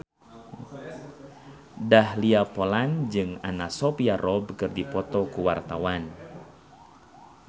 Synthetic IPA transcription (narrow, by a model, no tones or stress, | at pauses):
dahliapɔland͡ʒɨŋanasɔpiarʔɔbkərdipɔt̪ɔkuwart̪awan